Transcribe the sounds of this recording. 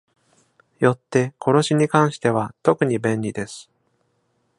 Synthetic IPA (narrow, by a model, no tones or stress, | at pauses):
jo̞t̪ːe̞kʰo̞ɾo̞ɕiɲ̟ikãɰ̃ɕi̥t̪e̞βat̪o̞kɯ̟ɲ̟ibẽ̞nʲɾʲid̪e̞sɨ̥